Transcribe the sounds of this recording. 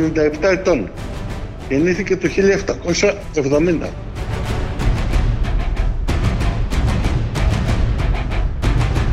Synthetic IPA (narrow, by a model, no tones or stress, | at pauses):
nind̪ɐe̞pt̪ɐe̞t̪o̞n | eniθice̞t̪uçiʎɐeft̪ɐko̞sɐ | e̞vðo̞mind̪ɐ̰